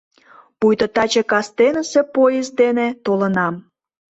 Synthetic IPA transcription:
pujt̪ət̪ɑt͡ɕəkɑst̪enəsepojezd̪enet̪olənɑm

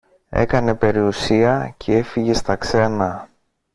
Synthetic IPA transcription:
ḛkɐne̞pe̞ɾiusiɐcʰe̞e̞fiʝe̞st̪ɐkse̞nɐ

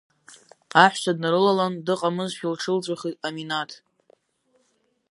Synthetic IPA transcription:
aħʷᶣsʰadnaɾɨlalandɨqʼamɨzʃilʈ͡ʂʰɨlt͡ɕʷʼaχitʼaminatʰ

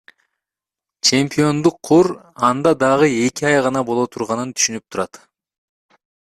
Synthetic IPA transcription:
t͡ʃʰe̞mpʲio̞nd̪uqʰːoɾ | ɑnd̪ɑd̪ɑʁɯe̞kiɑjʁɑnɑbolˠot̪ʰuɾʁɑnɯnt̪ʰy̥ʃynyp̚t̪ʰuɾɑt̪

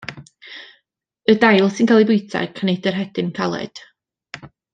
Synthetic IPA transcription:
ədajlˠsɪnkʰaːlˠibʊɨtʰa̰kʰanejdərɦɛd̥ɪnkʰalˠɛ̰d̥

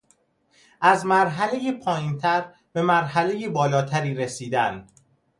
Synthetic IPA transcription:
ʔæzmæɾɦæle̞jepʰɒːjiːnt̪ʰæɾ | b̥e̞mæɾɦælejebɒːlɒːt̪ʰæɾiːɾesiːd̪æn

